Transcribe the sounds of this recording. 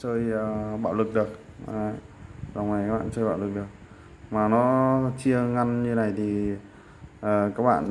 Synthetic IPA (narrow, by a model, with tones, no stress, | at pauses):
səː˧jə˨˩ɓa̰ː˧˨wlɨ˨˩k̚ɗɨ˨˩ək̚ː | za˨˩wna˨˩jkaː˦˥ɓa̰ː˧˨nsəː˧jɓa̰ː˧˨wlɨ˨˩k̚ɗɨ˨˩ək̚ | maː˨˩nɔ˨˦t͡ɕi˧əŋa˧nɲɨ˧˦na˨˩jt̪ʰi˨˩ | ʔəː˨˩kaː˦˥k̚ɓa̰ː˧˨n